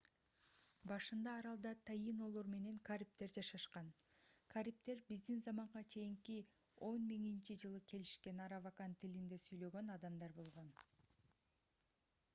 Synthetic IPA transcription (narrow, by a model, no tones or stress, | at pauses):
bɑʃɯnd̪ɑːɾɑlˠd̪ɑt̪ʰɑjino̞lˠoɾme̞ne̞ŋkʰaɾʲip̚t̪e̞ɾd͡ʒɑʃɑʃqɑn | kʰaɾʲip̚t̪e̞ɾbizd̪inzɑmɑɴʁɑt͡ʃʰe̞jiŋki | o̞nmiŋint͡ʃid͡ʒɯlˠɯke̞liʃke̞nɑɾavakant̪ʰilind̪e̞syjlø̞ɡø̞nɑd̪ɑmd̪ɑɾbo̞lˠʁo̞n